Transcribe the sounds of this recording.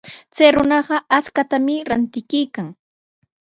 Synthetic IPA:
t͡sajɾʊnɑɢɑat͡skat̪amɪɾant̪ɪkɪjkaŋ

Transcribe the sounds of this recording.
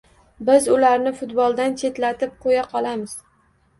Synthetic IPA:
bɪzʊlaɾnɪfʊt̪bɒlˠd̪ant͡ʃʰe̞t̪lat̪ʰɪp̚qʰojaqʰɒlˠamɪz̥

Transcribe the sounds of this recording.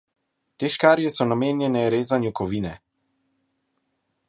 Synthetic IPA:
t̪eːʃkaːɾjɛsɔnameːnjɛnɛɾeːzanjukɔʋiːnɛ

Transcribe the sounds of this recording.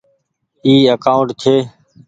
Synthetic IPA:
iːəkaːʊɳʈt̪ʰeː

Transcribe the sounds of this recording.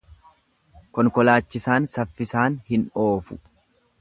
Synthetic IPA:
kɔŋkɔlaːt͡ʃːɪsaːnsɐfːɪsaːnhɪno̞ːfʊ̥

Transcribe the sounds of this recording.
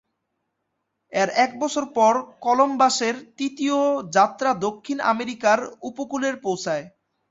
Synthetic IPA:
eɾɛk̚bɔt͡ɕʰoɾpɔɾkɔlombaʃeɾt̪it̪iod͡ʑat̪ːɾad̪okʰːina̰meɾikaɾupokuleɾpowt͡ɕʰae

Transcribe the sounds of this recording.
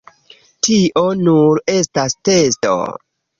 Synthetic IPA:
tiʔo̞nuɾe̞staste̞sto̰

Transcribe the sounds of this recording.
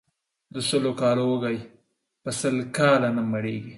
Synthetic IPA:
d̪əsəlokɑlowəɡaj | pəsəlkɑlanamaɽeɡi

